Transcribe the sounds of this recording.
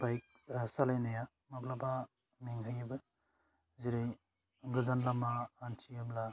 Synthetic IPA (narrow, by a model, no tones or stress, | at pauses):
bajk̚ | salajnaja | maplaba | miŋɦajibɯ | ziɾɯj | ɡɯzanlamaːnt͡ʃʰiamla